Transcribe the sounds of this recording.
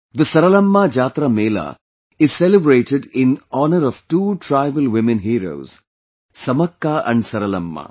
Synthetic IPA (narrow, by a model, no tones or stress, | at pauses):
d̪ɐsɐɾɐlɐmːad͡ʒaːt̪ɾameːla̰ | ɪz̥selɪbɾeːʈeɖɪ̃nɔːnəɾɔʋʈuːʈʰɾaɪʋəlʋɪmẽnɦiːɾo̰ːz̥ | sɐmɐkːaʔɐ̰̃ɳɖsɐɾɐlɐ̰mːa̰